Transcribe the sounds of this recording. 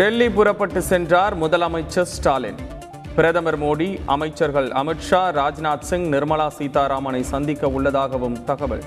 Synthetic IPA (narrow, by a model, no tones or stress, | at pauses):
ɖɛɭːipʊɾɐpːɐʈːɯsɛndraːɾmʊðɐlɐmɐɪt͡ʃːɐsʈaːlɪ̰n | pɪɾɐðɐmɐɾmoːɽiʔɐmɐɪt͡ʃːɐɾɣɐɭɐ̰mɪʈʂaːɾaːd͡ʒnaːt̪sɪŋɡnɪɾmɐɭaːsiːt̪aːɾaːmɐnɐɪsɐnd̪ɪkːɐʊɭːɐðaːɣɐʋɯmt̪ɐɣɐʋɐ̰ɭ